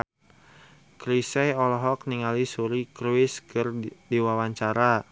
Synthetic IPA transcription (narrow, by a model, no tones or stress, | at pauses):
kɾisɛjɔlɔɦɔk̚niŋalisuɾikɾuɪskʰɨrdiwawaɲt͡ʃaɾa